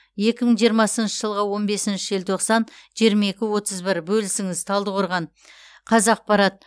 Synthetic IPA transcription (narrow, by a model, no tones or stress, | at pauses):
je̞kʲɪməɴʒijəɾmɑsənʃəʒəlˠʁəwo̞nbe̞sɪnʃɪʒelʲt̪ʰoqsɑnʒijəɾmɑe̞kʲɪwo̞t̪əzbɪɾbɵlɪsɪŋɪzt̪ʰɑlˠd̪əqʰoɾʁɑn | qʰɑzɑq̚pɑɾɑt̪̚